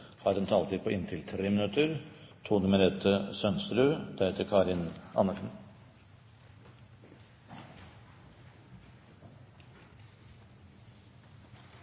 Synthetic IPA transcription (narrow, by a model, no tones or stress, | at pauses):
hɑːɾɛnt̪ʰːɑlt̪iːd̪̚pʰoːɪnt̪ʰɪlt̪ʰɾeːmɪnʉt̪əɾt̪ʰuːnəmɛɾɛt̪ʰːəsœnst̪ɾʉːd̪æhet̪ːəkʰɑːɾɪnɑ̰nəʂɳ̩